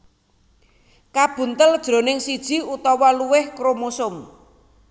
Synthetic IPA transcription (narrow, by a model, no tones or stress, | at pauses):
kab̥ṳnt̪əld̥ʒ̥ɾo̤nɪŋsid̥ʒ̥i̤ut̪ɔwɔluwɪhkɾomosʊm